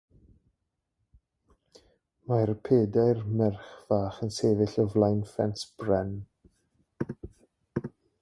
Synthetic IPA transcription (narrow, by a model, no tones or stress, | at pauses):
marpʰeːdajrmɛrχv̥aːχənseːvɪɬɔvlˠajnfɛnsb̥rɛn